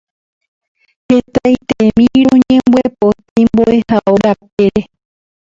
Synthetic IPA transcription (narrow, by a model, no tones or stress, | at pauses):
he̞t̪ajt̪emĩɾõɲẽmbwepo̞t̪aimboehaʔoɾapeɾe